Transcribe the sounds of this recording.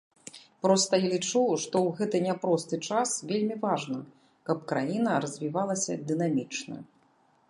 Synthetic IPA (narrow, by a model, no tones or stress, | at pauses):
pɾɔst̪ɐjalʲit͡ʂuʂt̪ɔwɣɛt̪ɨnʲapɾɔst̪ɨt͡ʂasvʲelʲmʲivaʐnɨ | kɐp̚kɾajinɐɾɐzʲvʲivalˠɐsʲɐ̰d̪ɨnamʲit͡ʂnɐ̰